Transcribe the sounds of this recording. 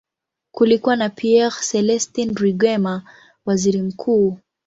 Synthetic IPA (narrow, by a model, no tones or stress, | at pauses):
kulikuwanapʰiɛʁsɛlɛstinɾiɡwɛma | waziɾim̩kʰuː